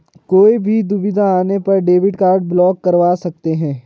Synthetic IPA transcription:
koːibʱid̪ʊbɪd̪ʱaaːnepɐɾɖeːbɪʈkaːɾɖ̚blɔːkːɐɾʋaːsɐk̚t̪eɦɛ̃ː

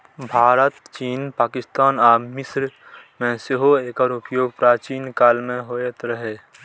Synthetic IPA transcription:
bʱaːɾət̪t͡ʃiːnpaːkɪst̪aːnaːmɪsɾ | mẽseɦoeːkəɾʊpjoːɡ̚pɾaːt͡ʃiːnkaːlmẽɦoet̪ɾəɦe

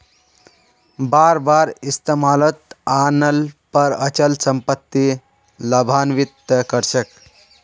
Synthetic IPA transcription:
baɾbaɾist̪emalət̪anəlpəɾət͡ʃəlsəmpət̪ːi | ləbʱanʋit̪kəɾt͡ʃʰək

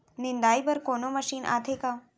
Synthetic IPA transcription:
nɪnd̪aːibɐɾkoːnomɐʃiːnʔa̰ːt̪ʰeːkãː

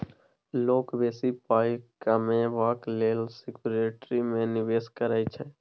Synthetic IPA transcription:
loːkbeːsipaːikəmẽʋaːkleːlsɪkuɾeːʈɾimẽnɪʋeːskəɾaːit͡ʃʰɛː

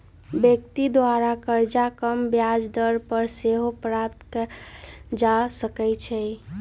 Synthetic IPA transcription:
bjek̚t̪id̪waɾakəɾd͡ʒakəmbjad͡ʒd̪əɾpəɾseɦopɾap̚t̪k | d͡ʒasəkɛjt͡ʃʰɛ

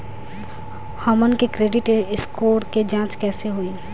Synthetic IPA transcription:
hɔːmənkekɾeːɖɪʈeɪskoːɾked͡ʒãːt͡ʃkɛːseɦoeː

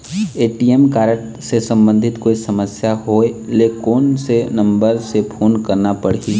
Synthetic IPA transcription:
eːʈiemkaːɾəʈ | sesə̃mbə̃nd̪ʱɪt̪koːisɐməsjaɦoːlekoːnsenɐ̃mbəɾsepʰoːnkɐɾnapəɽ̤i

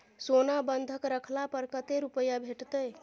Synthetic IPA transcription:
sonabənd̪ʱəkɾəkʰlapəɾkət̪eɾupəjabʱeʈt̪əj

